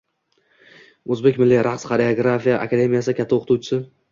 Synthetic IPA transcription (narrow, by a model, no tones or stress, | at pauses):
ɵzbe̞kʲmɪlːiɾʔaqsχaɾeoɡɾafijaʔa̰kʰad̪e̞mijasɪkʲʰat̪ʰːaoqʰt̪ʰʊwt͡ʃʰɪsɪ